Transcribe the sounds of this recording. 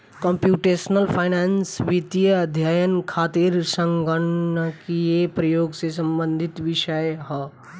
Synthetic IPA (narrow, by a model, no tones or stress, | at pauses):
kəmpjuːʈeːsnəlpʰaːɪnaːnsʋit̪ijd̪ʱjajənkʰaːt̪iɾsə̃ŋɡəɳkiepɾəjoːɡses̬ɐ̃mbə̃nd̪ʱɪt̪ʋɪʃəjɦə